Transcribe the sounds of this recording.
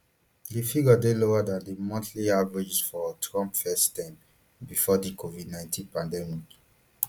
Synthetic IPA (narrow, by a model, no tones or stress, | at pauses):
difiɡɔdeloadãndimɔ̃ntliavɹid͡ʒsfɔtʰɹɔ̃mpfɛstãɪ̃m | bifɔdikovidnãɪ̃ntʰĩnpãndɛmik